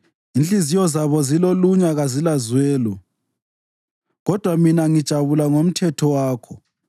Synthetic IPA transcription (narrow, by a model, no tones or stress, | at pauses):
inɬizijɔzaβɔziloluɲaɣazilazwɛːlɔ | ɣɔd̥ʱwaminaŋid̥ʒ̥ʱaβulaŋom̩tʰɛtʰɔwaːkʰɔ